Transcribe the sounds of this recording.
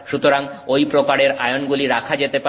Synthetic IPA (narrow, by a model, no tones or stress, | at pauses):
ʃut̪oɾaŋojpɾokaɾeɾajonɡuliɾakʰad͡ʑet̪epa